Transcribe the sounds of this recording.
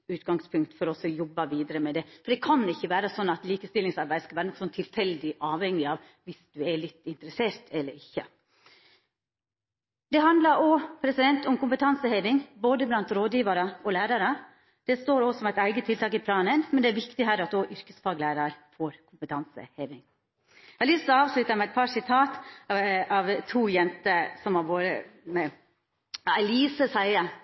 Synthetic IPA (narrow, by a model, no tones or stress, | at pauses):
ʉːt̪ɡɑŋspʰʉŋk̚t̪fɔɾɔɔsɔjɔbːɑʋiːd̪əɾəmɛd̪ɛfɔɖ̪ɛkʰɑnɪçːəʋæːɾəsɔnːɑt̪liːkəst̪ɪlːɪŋsɑɾbæɪəskɑʋæːɾənsɔnt̪ʰɪlfɛld̪ɪʔɑːʋhɛŋːɪɑːʋ | ʋɪsd̪̥ʉɛɭɪt̪ːɪnt̪əɾəseːɾt̪ʰɛlːəɾɪçːə | d̪ɛɦɑnd̪lɑɾɔpʰɾɛsɪd̪ɛnt̪ʊmkʊmpət̪ʰɑnsəheːʋɪŋboːd̪əblɑnt̪ɾoːd̪jiːʋɑɾəʔɔlæːɾɑɾə | d̪̥ɛst̪oːɾoːsɔmæɪt̪æɪɡət̪ʰɪlt̪ɑːkɪpʰlɑːnənmɛnd̪ɛæɾʋɪkt̪ɪɦæːɾɑt̪d̪oːʔʏɾkəsfɑːɡlæɪɾɑɾfoːɾkʰʊmpət̪ʰɑnsə̰heːʋɪŋ | ɪlɪsəɑːʋslʉt̪ɑmɛæɪt̪̚pʰɑsɪt̪ʰɑːt̪ | ɑʋt̪ʰuːjɛnt̪əsɔmɑboːɾə̰mɛ | æliːsəsæɪə